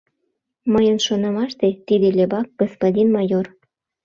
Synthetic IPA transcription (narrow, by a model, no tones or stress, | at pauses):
məjənʃonɑmɑʃt̪et̪id̪elʲebɑk̚ɡ̥ospodʲinmɑjor